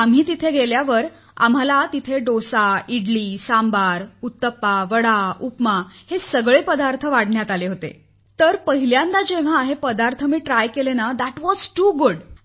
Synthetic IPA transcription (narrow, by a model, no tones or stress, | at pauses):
am̤iːt̪it̪ʰeɡʱeljaʋəɾ | a̰m̤alat̪it̪ʰeɖosaiɽliːsambaɾut̪ːəpːaʋəɽaupmahesəɡɭepəd̪aɾt̪ʰəʋaɽɳjat̪aleɦot̪ḛ | t̪əɾpəɦiljãnd̪ad͡ʑeʋ̤aːɦepəd̪aɾt̪ʰəmiːʈɾajkelenad̪aʈʋɔzʈuːɡuɽ